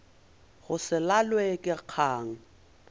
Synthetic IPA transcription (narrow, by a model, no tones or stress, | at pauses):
ɣʊsɪlalwekʼɪq͡χʰaːŋ̩